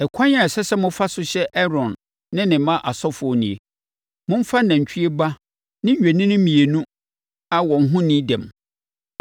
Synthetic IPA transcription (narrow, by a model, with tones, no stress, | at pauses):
ɛ˨kʷʰã˦ɲa˨ɛ˨sɛ˦sɛ˦mʊ̃˦fa˦sʊ˦ɕɛ˦ʔɛ˦ɾɔ̃˨nː | ɪ̃˦nɪ̃˨˦mã˦ʔa˨sɔ˦fʊ˨ɔ˦nĩ˨e˨ | mʊ̃˦m̩˦fa˦nã˨ɲ˨t͡ɕʰᶣi˦e˦ba˦ | nɪ̃˦ɲ˨ɥᶣe˨nɪ̃˦nɪ̃˦mĩ˨e˨nũ˦ | a˦wɔ˨n˦ɦʊ̃˦nĩ˦dɛ̰̃˨m